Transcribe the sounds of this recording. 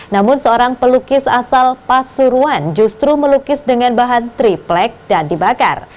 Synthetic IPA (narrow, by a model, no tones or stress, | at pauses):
namʊnsəoɾaŋpəlukɪsasalpasuɾuand͡ʒust̪ɾuməlukɪsdəŋanbaɦant̪ɾiplɛk̚dandibaka̰r